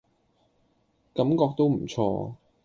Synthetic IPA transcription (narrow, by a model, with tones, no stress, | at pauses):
kɐ˨˥mkɔː˧k̚t̪o˥wm̩˨˩t͡sʰɔ̰ː˧